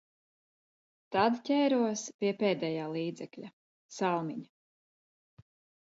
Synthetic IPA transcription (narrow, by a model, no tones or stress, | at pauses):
t̪ad̪cʲɛːɾuɔspʲiɛpɛːd̪ɛjaːlˠiːd̪zɛklʲa | salˠmʲiɲ